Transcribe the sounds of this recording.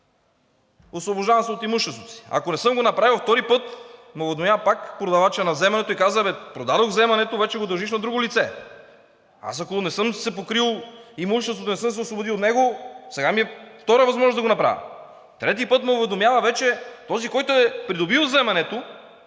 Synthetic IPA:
osvoboʒd̪avɐmsɛot̪imuʃt̪ɛst̪vot̪o̥si̥a̰konɛsɤmɡonɐpɾavilˠft̪ɔɾipɤt̪mɛovɛd̪omjavɐpakpɾod̪ɐvat͡ʃɛnɐvzɛmɛnɛt̪oikazəvɛpɾod̪ad̪oɣvzɛmɐnɛt̪ovɛt͡ʃɛɡod̪ɐɾʒiʃnɐd̪ɾuɡolit̪sɛ | a̰sɐkonɛsɤmsɛpokɾilˠimuʃt̪ɛst̪vot̪onɛsɤms̬ɛosvobʊd̪ilˠot̪nɛɡosɛɡamiɛft̪ɔɾəvɐzmɔʒnozd̪ɐɡonɐpɾa̰vɐ̰ | t̪ɾɛt̪̬ipɤt̪mɛʊvɛd̪omjavɐvɛt͡ʃɛt̪ɔzikɔjt̪ʊɛpɾid̪obilˠzɛmɐnɛt̪o

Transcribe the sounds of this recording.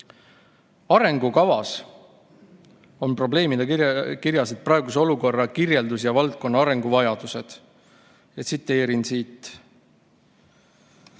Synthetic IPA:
ɑɾe̞ŋɡukɑvɑs | o̞npro̞ble̞ːmid̪̥ekiɾjɑsed̪̚prɑeɡ̥use̞o̞luko̞rːɑkirje̞ld̪usjɑvɑlt̪̚ko̞nːɑɑɾe̞ŋɡuvɑjɑd̪̥use̞d̪̥ | jet̪sit̪ːˑe̞ːɾinsiːt̪ːˑ

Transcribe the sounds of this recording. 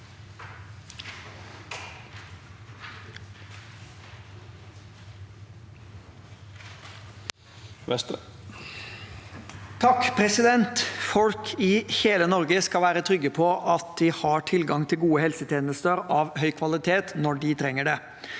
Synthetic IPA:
t̪ʰɑkpʰɾɛsɪd̪ɛnt̪fɔlkʰɪheːlənɔɾɡəskɑʋæːɾət̪ʰɾʏɡəpʰɔʔɑt̪̚d̪ɪhɑʈʰɪlɡɑŋt̪ʰɪlɡuːəhɛlsət̪ʰeːnəst̪əɾɑʋhœʏkʰʋɑlɪt̪ʰeːt̪nɔɖɪt̪ʰɾɛŋːəɖe

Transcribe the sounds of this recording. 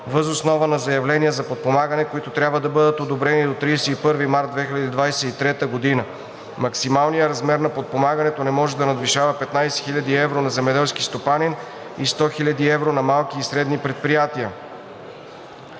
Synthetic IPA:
vəzosnɔvənɐzɐjɐvlɛnijəzɐpot̪̚pomaɡənɛkoit̪ot̪ɾʲabvəd̪ɐbɤd̪ət̪od̪obɾɛnid̪ot̪ɾijsɛipɤɾvimaɾt̪d̪vɛxilʲɐd̪id̪vajsɛit̪ɾɛt̪əɡod̪inə | mɐksimalˠnijəɾɐzmɛɾnɐpot̪̚pomaɡənɛt̪onɛmɔʒɛd̪ɐnɐd̪viʃavɐpɛt̪najsɛ̥xilʲɐd̪iɛvɾonɐzɛmɛd̪ɛlˠskist̪opanin | ist̪ɔxilʲɐd̪iɛvɾonɐmalˠkiːsɾɛd̪nipɾɛt̪̚pɾijat̪iə

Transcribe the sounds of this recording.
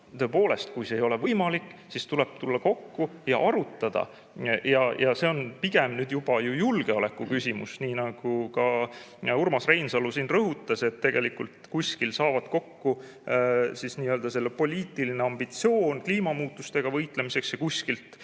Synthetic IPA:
t̪ø̞ːpo̞ːle̞st̪̚kujsejo̞le̞vɤjmɑlikːˑsist̪ule̞b̥̚t̪ulːɑko̞kːujɑ̰ʔɑɾut̪ːˑɑd̪̥ɑ̰ | jɑjɑse̞o̞npiɡ̥e̞mnyːd̪̥jub̥ɑjujulɡ̥e̞ole̞kːˑukysʲimṵsniːnɑɡ̥ukɑ | urmɑsre̞jnsɑlːusiːnrɤɦut̪ːˑɑset̪ːe̞ɡ̥e̞likult̪kusʲkilsɑːvɑd̪̥ko̞kːu | sisniːøːld̪̥ɑse̞lːepo̞lʲiːt̪ːˑilineɑmbit̪sio̞ːnkliːmɑmuːt̪ːˑust̪e̞ɡ̥ɑvɤjt̪le̞mise̞ksjɑkuskilt̪

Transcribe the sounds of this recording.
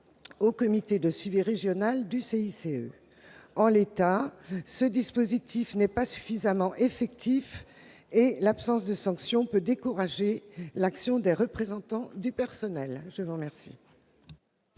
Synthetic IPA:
okɔmit̪ed̪əsɥiviʁeʒjɔnald̪yseiseø | ɑ̃let̪asəd̪ispozit̪ʰifnɛpasy̥fizamɑ̃ʔefɛk̚t̪ʰif | elapsɑ̃sd̪əsɑ̃ksjɔ̃pød̪ekuʁaʒelaksjɔ̃d̪eʁəpχezɑ̃t̪ɑ̃d̪ypɛʁsɔnɛlʒəvuʁmɛʁsḭ

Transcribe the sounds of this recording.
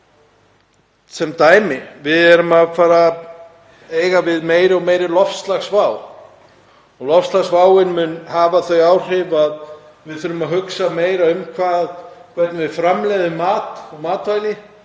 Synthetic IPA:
sɛmt̪aːjmɪvɪðɛɾʏmaðfaːɾa | eːjɣavɪðmeːjɾɪɔɣmeːjɾɪlɔfst̪laɣsvaːw | ɔɣlɔfst̪laɣsvaːwɪnmʏnhaːvaθœɥjaːwr̥ɪvað | vɪðfʏɾʏmaðɦʏksameːjɾaʏmkʰvaːðkʰvɛt̪nɪvɪðfɾamlɛðɪmaːt̪ɔɣmaːt̪vajlɪ

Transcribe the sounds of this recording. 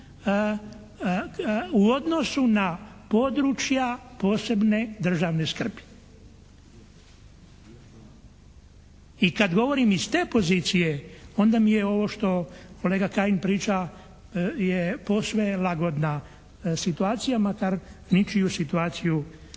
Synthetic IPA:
uo̞d̪no̞sunapo̞d̪ɾut͡ʃjapo̞ːse̞bne̞d̪r̩ʒaːʋne̞skr̩bi̥ | ikad̪ɡo̞ʋo̞ɾimizt̪e̞ːpo̞ziːt̪sije̞o̞nd̪amijeo̞ʋo̞ʃt̪o̞ko̞le̞ːɡakainpɾiːt͡ʃa | jepo̞ːsʋelˠaɡo̞d̪na | sit̪uaːt̪sijamakaɾnit͡ʃijusit̪uaːt̪siju

